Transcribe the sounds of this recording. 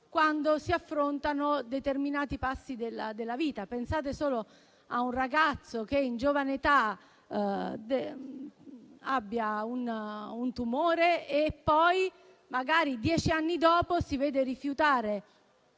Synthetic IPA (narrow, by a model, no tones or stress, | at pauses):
kwand̪osiafːɾont̪anod̪et̪erminaːt̪ipasːid̪elad̪elːaviːt̪apensaːt̪̬esoːlo | a̰unraɡat̪sːokeind͡ʒovanet̪a | d̪e | abːjaununt̪umoːɾeepːɔj | maɡaːɾid̪jɛːt͡ʃianːid̪ɔːposivɛːd̪erifjut̪aːɾe